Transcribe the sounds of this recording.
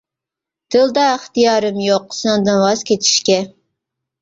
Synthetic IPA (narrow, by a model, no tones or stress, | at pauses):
d̪̥ɨlˠd̪ɑɪχt̪ijɑːɾɨmjoqːsɨnɨŋd̪ɨnwɑz̥kʲet͡ʃʰi̥ʃkʲɛ